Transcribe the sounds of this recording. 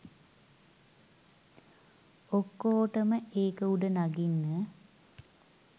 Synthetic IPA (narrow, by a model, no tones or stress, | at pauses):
okːoːʈəməʔeːkəuɖənaɡinːə